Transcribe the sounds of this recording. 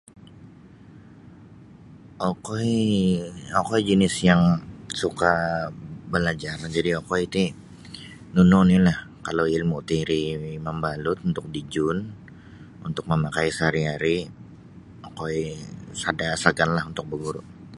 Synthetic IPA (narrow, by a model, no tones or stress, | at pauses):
ʔokoi | okoid͡ʒənɪsjaŋsuka | bəlad͡ʒard͡ʒadiokoit̪i | nunɔnilahkalowilmut̪iɾiməmbalʊt̪̚unt̪ʊk̚did͡ʒʊn | unt̪ʊk̚məmakajsaɾiɦaɾi | okoisadasaɡanlahunt̪ʊk̚bəɡuɾʊ̰ʔ